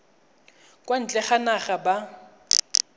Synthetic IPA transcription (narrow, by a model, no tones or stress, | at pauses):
kʼwan̩t͡ɬʼɛχanaχaba